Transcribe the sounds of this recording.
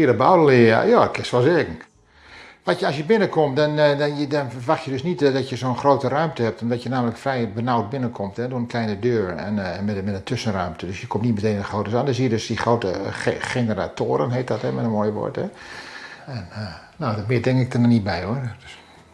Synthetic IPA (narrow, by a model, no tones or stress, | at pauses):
iədəbawllɪa̰jaːkʰɪsʋɔlˠsɪːkŋ̩ | ʋatjəɑlˠsjəbɪnəkʰɔmtdɔndɔnfəʋaxtjədøsnitdɔtjəzoːnxroːtərœɥmtəhɛp̚tɔmdɔtjənaːmələkfrɛjbənawt̚bɪnəkʰomthɛdoənklɛjnədøːrɛ̰nmɛmɛtəntʰøsənrœɥmtʰədøsjəkʰomtnitməteːndəxroːtəsandɔsiːədøsdixroːtə̰exenəra̰tʰoːəɾə̰nɦeːt̚dɔthɛmɛtənmoːjəʋɔ̰ɹtɛ | ɛn | noːdɔmɪːdɛŋkɪk̚dənɔnit̚bɛjoərds